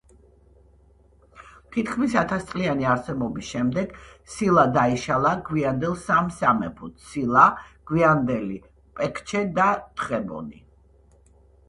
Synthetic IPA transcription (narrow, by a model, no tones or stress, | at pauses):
t̪ʰit̪χmisat̪ʰast̪sʼlianiaɾsɛbɔbisʃɛmd̪ɛɡ̥silˠad̪aiʃalˠaɡwiand̪ɛlˠsamsamɛ̰pʰut̪ʰsilˠaɡ̥wiand̪ɛli | pʼɛkʰt͡ʃʰɛd̪at̪ʰχɛbɔ̰ni